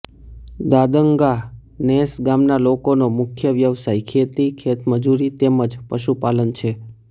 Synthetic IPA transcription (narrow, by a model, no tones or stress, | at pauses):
d̪ad̪əŋɡanesɡamnalokonomʊkʰjəʋjəʋsajkʰet̪ikʰet̪məd͡ʒuɾit̪eməd͡ʒpəʃupalənt͡ʃʰe